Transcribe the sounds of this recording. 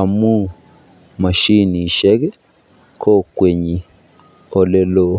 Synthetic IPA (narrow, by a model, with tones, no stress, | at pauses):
a˨mu˦ | ma˨ʃi˦ni˨ʃɛ˦ɡɛ˦ | kʰo˦kwe˨ɲi˨ | o˨le˦lo˦